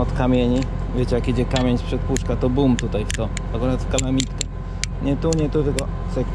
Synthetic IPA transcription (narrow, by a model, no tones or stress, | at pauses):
ɔt̪kamʲjeɲi | vʲjet͡ɕɛjakid͡ʑɛkamʲeɲspʂɛt̪̚puʂkat̪ɔbumt̪ut̪ajft̪ɔ | akɔnat̪kalamʲit̪kɛ | ɲɛt̪uɲɛt̪ut̪ɛɡɔ | sɛk